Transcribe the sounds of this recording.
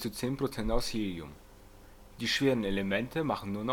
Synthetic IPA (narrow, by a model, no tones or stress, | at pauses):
t͡sut͡seːnpʁ̥ot͡sɛntaʊsjeːliʊ̰m | d̥iːʃv̥eːʁən̩elemɛntʰəmaχn̩nuːɐnɔ